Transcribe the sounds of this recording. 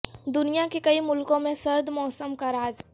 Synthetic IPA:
d̪ʊnijakekɐimʊlkõmẽsɐɾd̪mɔːsəmkaɾaːd͡ʒ

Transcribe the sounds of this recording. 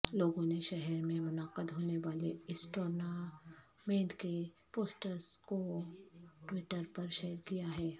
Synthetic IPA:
loːɡõneʃɛɦɛɾmẽmʊnaːqəd̪ɦoːneʋaːleɪsʈoːɾna | mẽːɖke | poːsʈəɾzko | ʈwɪʈəɾpɐɾʃeːɾkijaɦɛː

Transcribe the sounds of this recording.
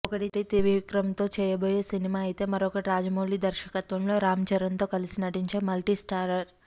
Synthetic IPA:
okəʈit̪et̪eʋiʋkɾəmt̪ot͡ʃʰejəbəjesinimajt̪emɐɾokəʈɾad͡ʒmolid̪əɾʃəkət̪ʋɐmloɾamd͡ʒəɾənt̪okɐlisnəʈint͡ʃʰemɐlʈisʈaɾəɾ

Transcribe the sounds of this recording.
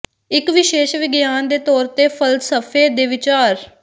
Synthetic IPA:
ɪkʋɪʃeːʃʋɪɡjaːnd̪eːt̪ɔːɾt̪eːpʰəlsəpʰeːd̪eːʋɪt͡ʃaːɾ

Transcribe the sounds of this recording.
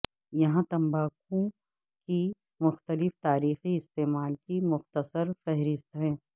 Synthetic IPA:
jɐɦãt̪ɐ̃mbaːkõ | ki | mʊxt̪əlɪft̪aːɾiːxiɪst̪eːmaːlkimʊxt̪əsəɾfɛɦɾɪst̪ɦɛ̃ː

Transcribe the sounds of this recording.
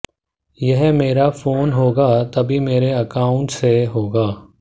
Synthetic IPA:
jɛɦmeːɾafʰoːnɦoːɡat̪ɐbʱimeːɾeɐkaːʊ̃ɳʈseɦoːɡaː

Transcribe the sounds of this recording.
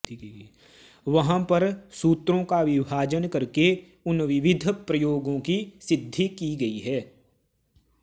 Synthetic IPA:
ʋɐɦãpɐɾsuːt̪ɾõkaʋɪbʱaːd͡ʒənkɐɾke | ʊnʋɪʋɪd̪ʱpɾəjoːɡõkisɪd̪ʱːikiɡɐiɦɛː

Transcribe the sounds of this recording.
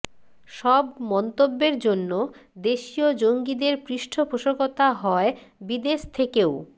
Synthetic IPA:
ʃɔbmɔnt̪obːeɾd͡ʑonːod̪eʃiod͡ʑoŋɡid̪eɾpɾiʃʈʰopoʃokot̪aɦɔebid̪eʃt̪ʰekeo

